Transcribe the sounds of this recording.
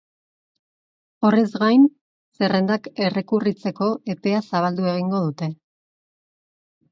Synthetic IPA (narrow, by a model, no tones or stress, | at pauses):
o̞re̞zɣajn | se̞re̞nd̪ake̞re̞kurit͡se̞ko̞ʔe̞pe̞asaβ̞ald̪ue̞ɣ̞iŋɡo̞ðut̪e̞